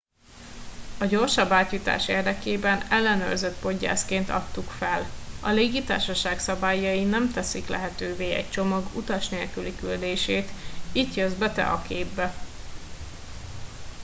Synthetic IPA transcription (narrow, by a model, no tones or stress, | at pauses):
ɒɟo̞rʃɒbːaːt̪jut̪a̰ːʃḛːrd̪ɛkeːbɛnɛlːɛnø̰rzøt̪po̞ɟːa̰ːskeːnt̪ɒ̰t̪ːukfɛlɒ̰leːɡit̪a̰ːrʃɒʃaːksɒbaːjːɒinɛmt̪ɛsiklɛ̰ɦɛt̪øːveːɛ̰c̚t͡ʃo̞mɒɡut̪ɒʃneːlkylikyld̪eːʃeːt̪iːt̪jøzbɛt̪ɛ̰ʔɒkeːbːɛ